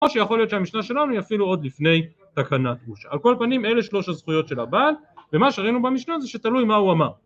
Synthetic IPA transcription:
oʃejaχo̞lijot̪ʃeamiʃnaʃe̞lanuiafiluo̞d̪lifne̞j | t̪akanat̪buʃa̰ːlko̞lpanime̞le̞ʃlo̞ʃhazχujo̞t̪ʃe̞labal | ve̞maʃeʁainubamiʃnazeʃe̞t̪alujmauamaʁ

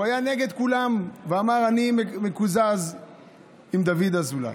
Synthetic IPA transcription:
ajane̞ɡe̞d̪kulamveamaʁanimmekuzaz | imd̪avid̪azula̰j

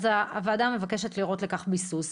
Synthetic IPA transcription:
zaːvad̪amevake̞ʃetliʁo̞tle̞kaχbisus

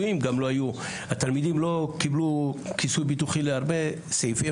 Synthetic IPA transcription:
imɡamlo̞aju | hat̪almid̪imlo̞kiblukisujbit̪uχileaʁbe̞ | sejfi

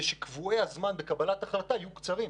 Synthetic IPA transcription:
ʃekvuejhazmanbekabalat̪aχlat̪aajukt͡saʁim

